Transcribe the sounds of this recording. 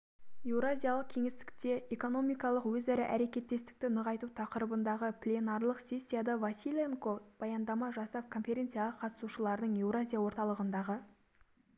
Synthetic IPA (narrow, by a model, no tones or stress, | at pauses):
e̞wɾazʲijalˠəq̚kʲʰe̞ŋe̞st̪ɪ̥k̚t̪e̞eko̞no̞mijkɑlˠəqwɵzæɾɪʔæɾe̞kʲe̞t̪ːe̞st̪ɪ̥k̚t̪ɪnəʁɑjt̪ut̪ʰɑqəɾəbənd̪ɑʁəplʲenɑrlˠəqsʲe̞sʲːijad̪ɑvasʲilʲeŋkob̥ɑjɑnd̪ɑmɑʒɑsɑpkʰo̞nfʲe̞ɾʲe̞nt̪sɨjalˠəqʰːɑt̪ə̥suʃəlˠɑɾd̪əɴe̞wɾazʲijawo̞ɾt̪ɑlˠəʁənd̪ɑʁə